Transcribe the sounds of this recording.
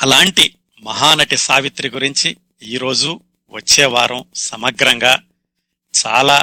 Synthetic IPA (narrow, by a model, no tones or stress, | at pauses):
ɐlaːɳʈi | mɐɦaːnɐʈisaːʋit̪ɾiɡuɾiɲt͡ʃi | iːɾo̞ːd͡ʒu | ʋɐt͡ʃːɛːʋaːɾɐ̃msɐmɐɡɾɐŋɡaː | t͡ʃa̰ːlaː